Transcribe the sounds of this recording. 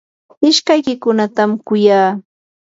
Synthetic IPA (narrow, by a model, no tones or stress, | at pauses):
ɪʃkajkɪkʊnat̪amkʊjaː